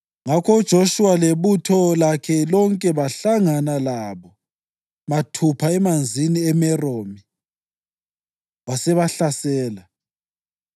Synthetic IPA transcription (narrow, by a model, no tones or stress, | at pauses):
ŋakʰɔud̥ʒ̥ʱoʃuwaleβutʰɔlakʰɛlɔŋkʼɛβaɬaŋanalaβɔ | matʰupʰaɛmand͡zʱiniɛmɛroːmi | wasɛβaɬasɛːla